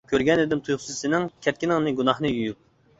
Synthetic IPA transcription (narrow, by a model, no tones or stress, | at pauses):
kʲʰøɾɡʲɛnɪd̪ɪmt̪ʰujχssɨnɪŋkʲʰɛt̪̚ʲkʲinɪŋnɨɡunɑhnɨjyjyp̚